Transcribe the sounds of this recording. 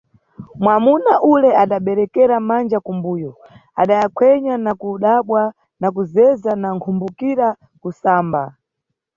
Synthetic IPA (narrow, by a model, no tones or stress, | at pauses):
mwamunaʔulɛaɗaɓɛɾɛkɛɾamand͡ʒakumbuːjɔ | a̰ɗajakʰwɛɲanakuɗaɓwa | nak̬uzɛzanaŋkʰumbukiɾa | kusaːmba̰